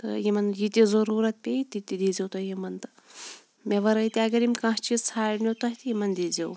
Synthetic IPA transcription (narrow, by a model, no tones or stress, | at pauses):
t̪ɐ̰jimɐnjit̪ʲizɐɾuːɾɐt̪̚pʲeit̪it̪id̪id͡zewt̪ɐjimɐnt̪ɐ | meʋɐɾɐit̪iɐɡɐɾimʲkãɦt͡ʃizt͡sʰaːɽnot̪ɐɦʲt̪ijimɐnd̪id͡zew